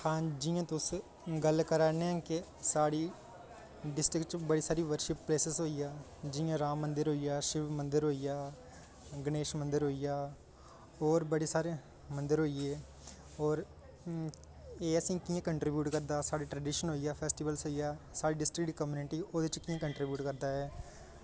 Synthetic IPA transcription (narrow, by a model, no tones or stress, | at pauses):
hãːd͡ʒijãːt̪ʊs | ɡəlkəɾaːneãːkɪsaːɽiː | ɖɪsʈɾɪkt͡ʃbəɽiːsaːɾiːʋəɾʃɪpːleːsəzɦoːijaː | d͡ʒɪjãːɾaːmːənd̪əɾɦoːijaːʃɪʋmənd̪əɾɦoːijaː | ɡneːʃmənd̪əɾɦoːijaː | ɔːɾbəɽeːsaːɾe | mənd̪əɾɦoːieː | ɔːɾ | eːəsĩːkiːãkəɳʈɾiːbjuːʈkəɾd̪aːsaːɽiːʈɾəɖiːʃənɦoːijaːpʰɛːsʈɪʋəlsɦoːijaːsaːɽiːɖɪsʈɾɪk̚ʈikəmjuːnɪʈiːoːd̪et͡ʃkiːãːkəɳʈɾɪbjuːʈkəɾd̪aːɦɛː